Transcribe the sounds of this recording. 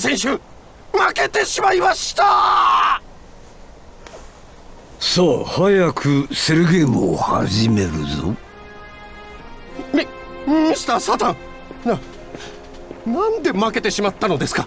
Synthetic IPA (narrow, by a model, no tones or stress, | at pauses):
sẽ̞ɰ̃ɕɨ | make̞t̪e̞ɕimaimaɕi̥t̪a | soːhajakʰɯseɾɯ̟ɡe̞ːmɯo̰ha̰ʑime̞ɾɯzo̰ | mʲĩ | si̥t̪asat̪ãŋ | na | nãnd̪e̞make̞t̪e̞ɕimat̪ːano̞d̪e̞sɨ̥ka